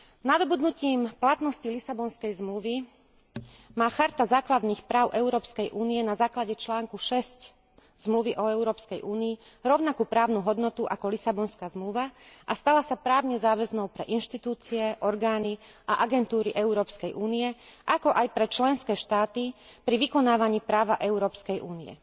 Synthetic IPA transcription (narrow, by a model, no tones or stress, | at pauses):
nad̪ɔbud̪nuciːmplat̪nɔscilisabɔnskɛjzmluʋi | maːxaɾt̪azaːklad̪niːxpɾaːʊʔɛʊɾɔːpskɛjʔuːniɛnazaːklaɟɛt͡ʃlaːŋkuʃɛsc | z̥mluʋiʔɔɛʊɾɔːpskɛjʔuːniː | ɾɔʊnakuːpɾaːʊnuɦɔd̪nɔt̪uʔa̰kɔlisabɔnskaːzmluʋaʔast̪alasapɾaːʊɲɛzaːʋɛznɔʊpɾɛʔinʃt̪it̪uːt͡siɛʔɔɾɡaːniʔaʔaɡɛnt̪uːɾiʔɛuɾɔːpskɛjʔuːnijɛʔakɔʔajpɾɛt͡ʃlɛnskɛːʃt̪aːt̪ipɾiʋikɔnaːʋaɲiːpɾaːʋaʔɛʊɾɔːpskɛjʔuːniɛ̰